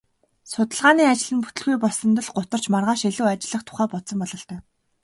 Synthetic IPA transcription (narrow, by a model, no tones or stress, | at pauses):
sʊt̪ə̆ɮʁaːniːat͡ɕɪ̆ɮɘ̆nput̪ɘ̆ɮɣujpɔɮsɞ̆nt̪ə̆ɮɢʊt̪ə̆r̥t͡ɕmarʁaːʃeɮuːat͡ɕɪ̆ɮə̆χt̪ʰʊ̥χæːpɔt̪sɞ̆mpɔɮɞ̆ɬt̪œː